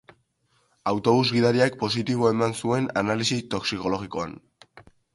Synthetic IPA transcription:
awt̪o̞βuzɣiðaɾiak̚po̞s̬it̪iβ̞o̞e̞mansue̞nanalisit̪o̞ksiko̞lo̞ɣiko̞a̰n

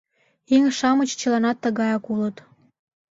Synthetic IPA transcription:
iŋʃɑmət͡ɕt͡ɕə̆lɑnɑt̪ːəɣɑjɑkulət̪

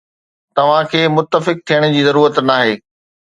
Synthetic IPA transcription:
t̪ɐʋ̤ãkʰeːmʊt̪ːəfɪk̚t̪ʰijəɽ̃ʊ̆d͡ʑiːzɐɾuːɾət̪naːɦeː

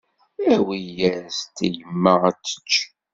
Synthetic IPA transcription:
æwijæɾst̪ijəmːəæt͡sːə̥t͡ʃː

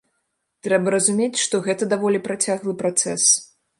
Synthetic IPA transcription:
t̪ɾɛbɐɾɐzumʲet͡sʲʂt̪ɔɣɛt̪ɐd̪avɔlʲipɾat͡sʲaɣlˠɨpɾat̪sɛs

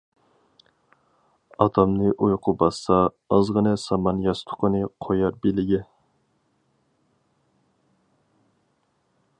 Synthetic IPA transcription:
ɑt̪ʰɑmnɨʔujqʰʊbɑsːɑː | zʁənɨsɑmɑnjɑst̪ʰʊ̥qʰənɨqʰojɑɾbelɪɡʲɛ

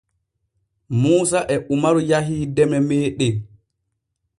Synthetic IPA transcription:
muːsaʔɛʔumaɾujaɦiːdɛmɛmɛːɗɛ

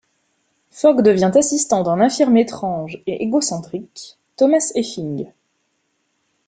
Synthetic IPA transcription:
fɔɡd̪əvjɛ̃t̪asist̪ɑ̃d̪ɛ̃nɛ̃fiʁmet̪χɑ̃ʒeʔeɡɔsɑ̃t̪χik | t̪ɔmasefĩŋɡ

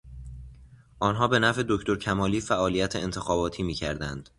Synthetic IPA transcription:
ʔɒːnɦɒːbe̞næfe̞d̪o̞cʰt̪o̞ɾcʰæmɒːliːfæʔɒːlijæt̪ʰeent̪ʰe̞xɒːbɒːt̪ʰiːmiːcʰæ̰ɾd̪ænd̪̥

